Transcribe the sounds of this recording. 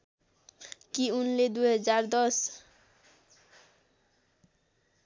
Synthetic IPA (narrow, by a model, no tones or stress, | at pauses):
kiunled̪uɦʌd͡ʒaɾd̪ɔs